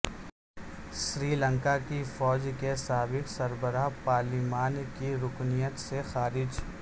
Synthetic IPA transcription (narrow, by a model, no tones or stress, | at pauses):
ʃɾiːlə̃ŋkakifɔːd͡ʒkesaːbɪqsɐɾbəɾapaːɾlimaːnkiɾʊknijət̪sexaːɾɪd͡ʒ